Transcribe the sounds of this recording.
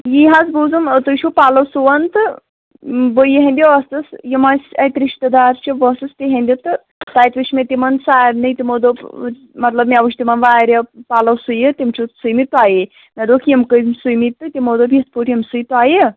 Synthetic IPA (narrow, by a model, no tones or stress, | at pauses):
jiɦazbuzumt̪ɨt͡ʃʰupaːlɐwsuʋɐnt̪ɨ | bəjiɦẽnd̪ʲiʋɐst̪ɨsjimasʲɐjt̪ɾiʃt̪ɐd̪aːɾt͡ʃʰiʋəst̪ɨst̪iɦẽnd̪ʲit̪ɨ | t̪aːjt̪ʋit͡ʃʰmet̪ʲimɐnsaːɾnɨjt̪imod̪o | mɐt̪lɐb̚mʲiaʋuʃʲt̪imɐnʋaːɾʲepaːlɐwsujit̪imt͡ʃʰusujmit̪waːje | mɐd̪okʰjimkəzmsujmit̪ːɨt̪ʲimod̪obʱit̪̚ʰpuʈʰjimsujt̪waːje